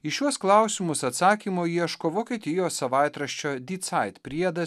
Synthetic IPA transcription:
ɪʃʲuɔsklˠɑˑʊsʲɪmʊsɐt̪sɑːkʲiːmoːjiɛʃkoʋoːkʲiɛt̪ʲɪjoːsɐʋɑˑɪt̪ɾɐʃʲt͡ʃʲoːd̪ʲiːt̪sɐɪt̪pʲɾʲiɛd̪ɐ

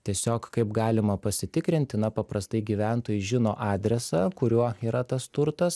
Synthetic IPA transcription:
t̪ʲiɛsʲoːkkɐɪpɡɑːlʲɪmɐpɐsʲɪt̪ʲɪkɾʲɪnʲt̪ʲɪnɐpɐpɾɐst̪ɐɪɡʲiːʋʲæˑnt̪oːjʊʒʲɪnoːʔɑːd̪ʲɾʲɛsɑkʊɾʲuɔiːɾɐt̪ɐst̪ʊɾt̪ɐs

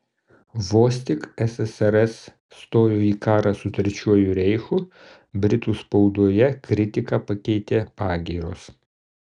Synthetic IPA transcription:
ʋoːsʲt̪ʲɪkɛsɛsɛɾɛsː | t̪oːjoːiːkɑːɾɑsʊt̪ʲɾʲɛt͡ʃʲuɔjʊɾʲɛɪxuː | bʲɾʲɪt̪uːspɒʊd̪uɔjɛkɾʲɪt̪ʲɪkɑpɐkʲɛɪt̪ʲeːpɑːɡʲiːɾoːs

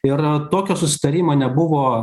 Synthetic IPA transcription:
ɪɾt̪oːkʲoːsʊsʲɪ̥t̪ɐɾʲiːmɐːnʲɛbʊʋoː

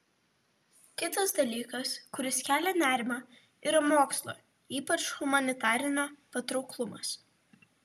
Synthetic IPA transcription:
kʲɪt̪ɐsd̪ɐlʲiːkɐskʊɾʲɪskʲæːlʲɛnʲæːɾʲɪmɑ | iːɾɐmoːkslˠo̰ː | iːpɐt͡ʃhʊmɐnʲɪt̪ɑːɾʲɪnʲoːpɐt̪ɾɒʊklˠʊmɐ̰s

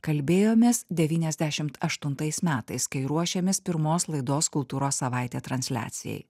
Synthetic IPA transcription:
kɐlʲbʲeːjoːmʲeːsd̪ʲɛʋʲiːnʲɛzʲd̪ʲæʃʲɪmt̪ɐʃt̪ʊnt̪ɐɪsmʲæːt̪ɐɪskɐɪɾuɔʃʲɛmʲɪspʲɪɾmoːslˠɐɪd̪oːskʊlˠt̪uːɾoːsːɐʋɑɪt̪ʲeːt̪ɾɐnʲsʲlʲæ̰ːt̪sʲɪ̰jɛ̰ɪ

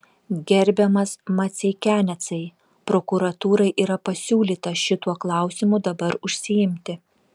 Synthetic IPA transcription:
ɡʲɛɾʲbʲɛmɐsmɐt̪sʲɛɪkʲæːnʲɛt̪sɐɪ | pɾokʊɾɐt̪uːɾɐɪʔiːɾɐpɐsʲuːlʲiːt̪ɐʃʲɪt̪uɔklˠɑˑʊsʲɪmʊd̪ɐbɐɾʊʃʲsʲɪjɪmʲt̪ʲɪ

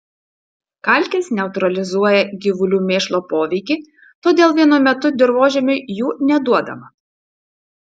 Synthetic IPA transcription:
kɐlʲkʲeːsnʲɛʊt̪ɾɐlʲɪzuɔjɛɡʲɪʋʊlʲuːmʲeːʃlˠoːpoːʋʲɛɪkʲiː | t̪oːd̪ʲeːlˠʋʲiɛnʊmʲɛt̪ʊd̪ʲɪɾʋoːʒʲɛmʲʊɪjuːnʲɛd̪uɔd̪ɐ̰mɐ

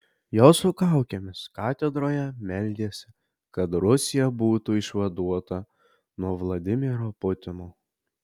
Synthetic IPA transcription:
joːsʊkɑˑʊkʲemʲɪskɑːt̪ʲɛd̪ɾoːjɛmʲɛlʲd̪ʲeːsʲɪ̥ | kɐt̪ɾʊsʲɪjɛbuːt̪uɪʃʋɐd̪uɔt̪ɐ | nuɔʋlˠɐd̪ʲɪmʲɪɾoːpʊt̪ʲɪnoː

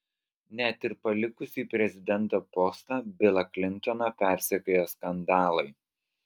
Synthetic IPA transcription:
nʲæt̪ʲɪɾpɐlʲɪkʊsʲiːpʲɾʲɛzʲɪd̪ʲɛnˑt̪oːpɔst̪ɑːbʲɪlˠɐklʲɪnʲˑt̪ɔnɐpʲæˑɾʲsʲɛkojoːskɐnd̪ɑːlˠɐɪ

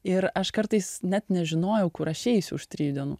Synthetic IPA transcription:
ɪɾɐʃkɐɾt̪ɐɪsnʲɛt̪nʲɛʒʲɪnoːjɛʊkʊɾɐʃʲɛɪsʲʊʊʃt̪ʲɾʲiːjud̪ʲɛnṵ

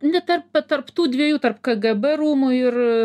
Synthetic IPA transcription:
nʲɛt̪ɐrpɐt̪ɐrpt̪uːd̪ʲʋʲiɛjuːt̪ɐrpkɐɡɛbɛɾuːmʊɪr

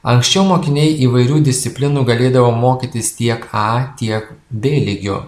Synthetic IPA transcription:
ɐŋksʲt͡ʃʲɛʊmoːkʲɪnʲɛɪʔiːʋɐɪɾʲuːd̪ʲɪsʲt̪ʲɪpʲlʲɪnuːɡɐlʲeːd̪ɐʋoːmoːkʲit̪ʲɪst̪ʲiɛkɑːt̪ʲiɛk | bʲeːlʲɪɡʲo̰ː

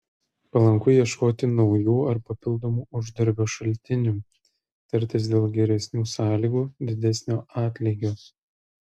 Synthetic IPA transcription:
pɐlˠɐŋkʊjiɛʃkoːt̪ʲɪnɒʊjuːɐɾpɐpʲɪlˠd̪omuːʊʒd̪ɐɾʲbʲoːʃɐlʲt̪ʲɪnʲuː | t̪ʲɐɾʲt̪ʲɪsd̪ʲeːlˠɡʲɛɾʲɛsʲnʲuːsɑːlʲiːɡuːd̪ʲɪd̪ʲɛsʲnʲoːʔɑːt̪ʲlʲɛːɡʲoːs

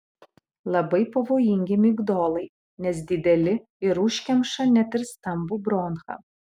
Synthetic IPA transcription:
lˠɐbɐɪpɐʋoːjɪŋʲɡʲɪmʲɪɡd̪oːlˠɐɪ | nʲɛs̬d̪ʲɪd̪ʲɛlʲɪ | ɪɾʊʃʲkʲɛmʃɐnʲɛt̪ʲɪɾst̪ɐmbubɾoːnxɐ̰

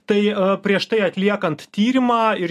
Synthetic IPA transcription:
t̪ɐɪpʲɾʲiɛʃt̪ɐɪɐt̪ʲlʲiɛkɐnt̪t̪ʲiːɾʲɪmɑːɪɾ

